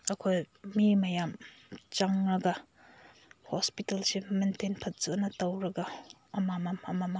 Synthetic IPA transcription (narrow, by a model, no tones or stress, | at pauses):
ɐkʰoj | mimɐjamt͡ʃaŋɾɐɡɐ | hospitelsimentenpʰɐt̚z̥uɐnɐtɐwɾɐɡɐ | ɐmamamɐmama